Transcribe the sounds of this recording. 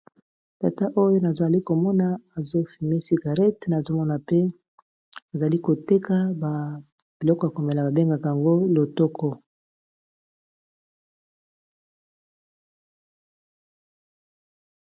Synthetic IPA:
ta˨ta˦ʔo˦jo˦na˨za˨li˦ko˨mɔ˦na˨a˨zo˦fi˨me˦si˨ɡa˨ʁɛ˦tna˨zo˦mɔ˦na˨pe˦ | a˨za˨li˦ko˨te˦ka˦ba˨b̥i˨lɔ˦kɔ˦ja˨ko˨me˨la˨ba˨be˦ŋɡa˨ka˨a˨ŋɡo˦lo˨tɔ˦kɔ˦

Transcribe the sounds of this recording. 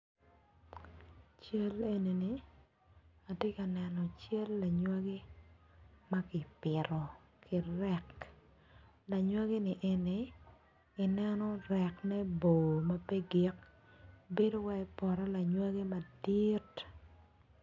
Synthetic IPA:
t͡ʃe˦le˨ni˨ni˨ | a˨te˦ka˨nɛ˨nɔ˨t͡ʃe˦lːa˨ɲwa˦ɡi˦ | ma˦kɪ˨pɪ˨ɾɔ˨ | kʰɪ˨ɾɛk | la˨ɲwa˦ɡi˦nɪ˨ʔɛ˨ne˨ | ɪ˨nɛ˦nɔ˦rɛ˨knɛ˦bo˨ma˦pɛ˦ɡi˨k | be˦do˦wa˦pɔ˨ɾɔ˦la˨ɲwa˦ɡi˦ma˨di˦t

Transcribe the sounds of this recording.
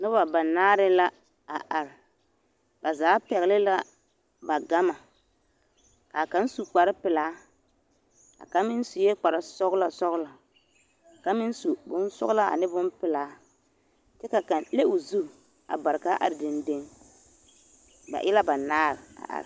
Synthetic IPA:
nɔ˦ba˨ba˨naː˦ɾɪ˦la˦ | a˨ʔa˨ɾɪ˨ | ba˨zaː˨˦pɛ˨ɣɪ˨lɪ˦la˦ | ba˨ɡa˦ma˨ | ka˨ka˦n˦su˨k͡pa˨ɾɪ˦pɪ˨laː˨˦ | a̰˨ka˨˦mɪ˦nsu˨je˦k͡pa˨ɾɪ˨sɔ˦ɣla˨sɔ˦ɣla˨ | a˨ka˦mɪ˦nsu˨bʊ˦nsʊ̰˦la˦ʔa̰˨nɪ˦bʊ˦npɪ˨laː˨˦ | t͡ʃɛ˦ka˨ka˨nle˦u˨zu˦˨ | a̰˨ba˨ɾɪ˨ka˦ʔa̰˨ɾɪ˨dɪ˨nde˦ŋ | ba̰˨ʔɪ˦la˦ba˨naː˦ɾɪ˨a̰˨ʔa̰˨ɾ

